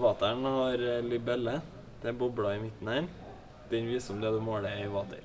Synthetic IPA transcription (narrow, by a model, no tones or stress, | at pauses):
ʋɑːt̪æɳhɑɾlɪbɛlːə | d̪̥ɛæbɔbɽɑɪmɪt̪n̩hæːɾ | d̪̥ɛɲʋiːsɔmd̪ɛd̪ɛmoːɽəɪʋɑːt̪ʰə̰ɾ